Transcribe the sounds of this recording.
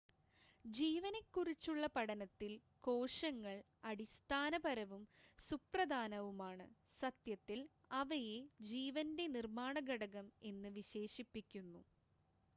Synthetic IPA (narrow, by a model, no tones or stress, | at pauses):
d͡ʑiːʋɐnekːurit͡ɕːuɭːɐpɐɽɐnɐt̪ːil | ko̞ːʂɐŋːɐɭ | ɐɽist̪ʰaːnɐbɐɾɐʋumsuprɐd̪ʱaːnɐʋumaːɳɨ | sɐt̪jɐt̪ːil | ɐʋɐje̞d͡ʑiːʋɐnde̞nirmaːɳɐɡɐɽɐɣɐme̞nːɨʋiɕe̞ːʂipːikʲːunːu